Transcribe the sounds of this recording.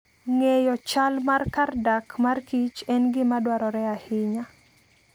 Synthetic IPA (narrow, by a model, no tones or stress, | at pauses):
ŋejɔt͡ʃalmarkardakmarkit͡ʃɛnɡɪmadwaɾɔɾɛahɪɲa